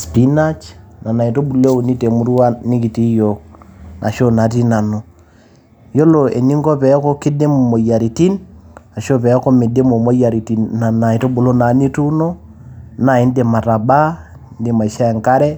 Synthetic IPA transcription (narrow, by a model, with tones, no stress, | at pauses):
spi˦na˦t͡ʃna˨na˨i˨tɔ˦bu˨le˦u˨ni˦te˨mu˦ɾu˦wa˦ni˦ki˨ti˦jɔ˨knʔa˨ʃɔ˦na˨ti˦na˨nɔ˨ | jɔ˦lɔ˨ḛ˨ɲi˦ŋɡɔ˦pɛ˨˦kɔ˦ki˦de˦mɔ˨mɔ˨ja˨ɾi˨ti˦na˨ʃɔ˦pɛ˨˦kɔ˦me˨de˦mɔ˨mɔ˦ja˨ɾi˨ti˨na˨na˨i˨tɔ˦bu˨lɔ˦na˨˦ni˦tu˦nɔ˦ | na˨i˦nde˨ma˨ɾa˨ba˦ | nde˨ma˨ʃa˦˨ŋka˦ɾɛ˦